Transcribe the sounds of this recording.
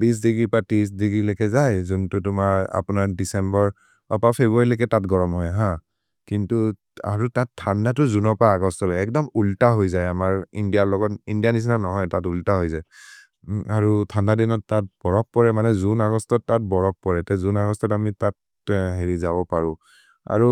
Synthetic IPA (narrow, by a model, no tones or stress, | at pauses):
bis̬diɡɹipatiisdiɡɹilekɛzajzuntutʊmaɹa̰punaɹdisɛmbɔɹ | ɔpapʰebuaɹilekɛtatɡɔɹɔmɦɔjɦã | kintu | a̰ɹutatʰːandatʊzunɔpaːɡɔstɔlɔjɛk̚dɔmultaɦojzajamaɹindijaɹlɔɡɔtindianis̬nanɔɦɔjtatultaɦojzaj | aɹutʰandadinɔtːat̚b̥ɔɹɔk̚pɔɹɛmanɛzunaɡɔstɔtːat̚bɔɹɔk̚pɔɹɛtɛzunaɡɔstɔtamitat̚ | ɦeɹizabɔpaɹʊ̃ | a̰ɹu